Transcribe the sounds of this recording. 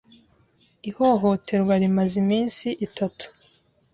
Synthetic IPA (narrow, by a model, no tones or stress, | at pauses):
iho̞ɦo̞tʰe̞ɾwaɾimazimiːnsiʔitatu̥